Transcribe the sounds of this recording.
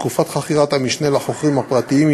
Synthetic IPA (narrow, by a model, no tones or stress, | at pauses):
kufat̪χaχiʁat̪hamiʃnelaχo̞χʁimhapʁat̪iim